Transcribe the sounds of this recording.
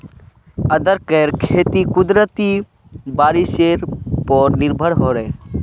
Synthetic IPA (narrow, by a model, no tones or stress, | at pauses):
əd̪əɾkeɾkʰeːt̪ikʊd̪ɾət̪i | baːɾiʃeɾpɔɾnɪɾbʱəɽɦoɾe